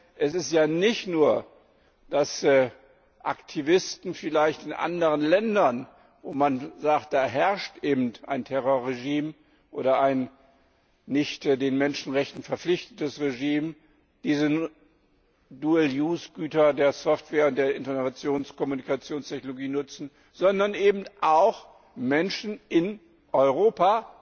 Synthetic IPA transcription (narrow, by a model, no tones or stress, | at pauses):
ʔɛsɪstjaːnɪçtnuːɐ | d̥as | ʔa̰ktʰivɪstn̩fɪlaɪçtɪnʔa̰ndəʁ̞ənlɛndɐn | voːmanzaːkt̚d̥aːɦɛɐʃtʔeːbm̩tʔa̰ɪntʰɛʁoːʁeʒiːm | ʔoːɾɐaɪnː | ɪçtdeːnmɛnʃn̩ʁɛçtn̩fɛɐp͡flɪçtə̥təsʁeʒiːm | d̥iːzən | d̥uɛljuːsɡ̥yːtɐdeːɐsɔftv̥eːɐʊnt̚d̥eːɐɪ̰ntoat͡sjoːnskɔmunikat͡sjoːnstʰɛçnoloɡiːnʊt͡sn̩ | z̥ɔndɐnʔeːbm̩tʔaʊx | mɛnʃn̩ʔɪn | ʔɔʏʁoːpa